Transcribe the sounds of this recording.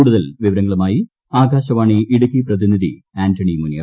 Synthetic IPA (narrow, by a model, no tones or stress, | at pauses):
uːɽuðɐlʋiʋɐɾɐŋːɐɭumaːji | aːɡaːɕɐʋaːɳiiɽukːiprɐðiniði | aːntʰɐɳimunjɐ